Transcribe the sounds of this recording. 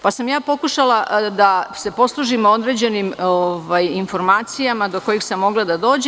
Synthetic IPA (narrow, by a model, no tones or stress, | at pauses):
pasamjaːpo̞kuʃalˠad̪ase̞po̞slˠuːʒimoo̞d̪ɾe̞d͡ʑe̞nimoʋajinfo̞ɾmaːt̪sijamad̪o̞ko̞jixsamːo̞ɡlˠad̪ad̪o̞ːd͡ʑe